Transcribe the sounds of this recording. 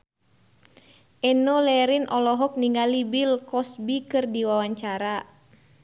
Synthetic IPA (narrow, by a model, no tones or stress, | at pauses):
ʔɛnɔlɛɾinɔlɔɦɔk̚niŋɡalibilkɔsbikɨrdiwawaɲt͡ʃaɾa